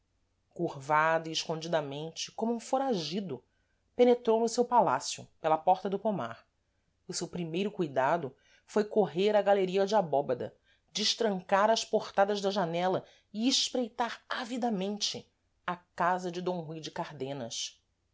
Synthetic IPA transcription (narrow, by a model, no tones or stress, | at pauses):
kuɾvad̪ʊiɪʃkõd͡ʒid̪ɐmẽnt͡ʃɪ̥kõmʊũfoɾaʒid̪ʊ | penet̪ɾownʊsewpala̰sjʊ̰pelɐpɔɾt̪ɐd̪ʊpoma̰ɾ | ʊsewpɾimejɾʊkujd̪ad̪ʊ | fojkoɦeɾɐɡaleɾiɐd͡ʒɪabɔbɐd̪ɐ̰ | d͡ʒɪʃt̪ɾɐ̃ŋkaɾɐʃpoɾt̪ad̪ɐzd̪ɐʒanɛlɐ | ɪɪʃpɾejt̪aɾavid̪ɐmẽnt͡ʃɪ | akazɐd͡ʒɪd̪õw̃ɦujd͡ʒɪkaɾd̪ẽnɐʃ